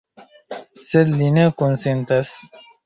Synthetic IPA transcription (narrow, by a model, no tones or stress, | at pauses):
selinekonsent̪as